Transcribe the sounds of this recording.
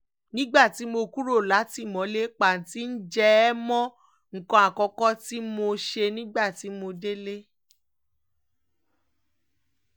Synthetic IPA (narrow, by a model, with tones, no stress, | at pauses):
nĩ˦ɡ͡ba˦˨ti˨˦mo˧ku˦ɾo˦˨la˨˦ti˦˨mɔ̃˨˦le˦k͡pa˨n̩˨ti˦n̩˦d͡ʒɛ˧˦mɔ̃˦ | ŋ̩˨kɔ̃˧˨a˨kɔ˨˧˦kɔ˦ti˦mo˧ʃe˧nĩ˦ɡ͡ba˦˨ti˨˦mo˧de˦le˦